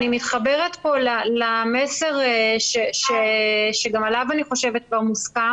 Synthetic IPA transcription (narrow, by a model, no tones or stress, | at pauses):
nimit̪χabeʁet̪po̞lalamese̞ʁeʃeʃeʃeɡamalavaniχo̞ʃe̞vet̚kvaʁmuska